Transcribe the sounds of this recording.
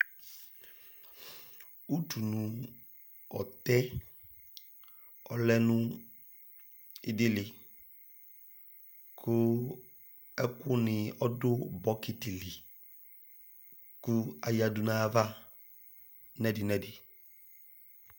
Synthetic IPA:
u˦tʰu˨nʊ̃˨ | ɔ̰˨t̪ɛ˦ | ɔ̰˨lɛ˦nʊ̃˦ | ɪ˨dɪ˦lɪ˨ | kʰʊ˦ | ɛ˦kʊ˦nɪ˨ɔ˦dʊ˦bɔ˦kɪ˨tɪ˨li˨ | kʊ˦a˨ja˨du˨na˦va˦ | nɛ˦dɪ˨nɛ˦dɪ˨

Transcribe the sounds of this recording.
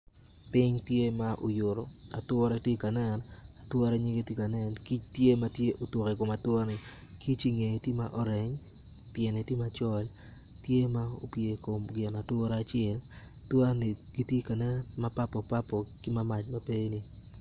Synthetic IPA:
pɪ˦ɲtje˦maʔo˨jʊ˨ɾo˨a̰˨twɾa˦tje˦ka˨nɛ˦na˨twa˦ɾe˦ɲi˦ɡe˦ti˦ka˨nɛ˦nki˦t͡ʃtje˦ma˦tje˦ʔo˨two˨ke˨ko˨ma˨twa˦nɪ˨ | ki˦t͡ʃi˦ŋe˨tji˦maʔɔ˦ɾɛ˨ɲ | pje˨ne˨tje˦mat͡ʃɔ˦ltje˦ma˦o̰˨pje˨ko˨mɡɪ˨na˨twɔ˦ɾa˦t͡ʃɪɛ˦l | twa˦nɪ˨ɡi˦tje˦ka˨nɛ˦ma˦pa˦pɔ˨pa˦pɔ˨kɪ˦ma˦ma˨t͡ʃmape˦nɪ˨

